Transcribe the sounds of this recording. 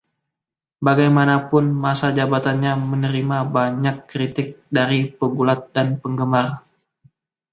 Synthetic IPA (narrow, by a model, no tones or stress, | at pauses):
baɡajmanapʊnmasad͡ʒabat̪anɲamənəɾimabaɲakːɾit̪ɪk̚daɾipəɡulat̪̚danpəŋɡəmar